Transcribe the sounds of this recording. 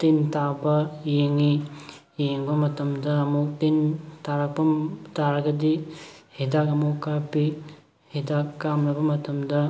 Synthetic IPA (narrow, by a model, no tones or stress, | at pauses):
tintabɐjeŋi | jeŋbɐmɐtɐmdɐɐmuk̚tintaɾɐk̚pɐtaɾɐɡɐdihedakɐmukapi | hedakːamnɐbɐmɐtʰɐmdɐ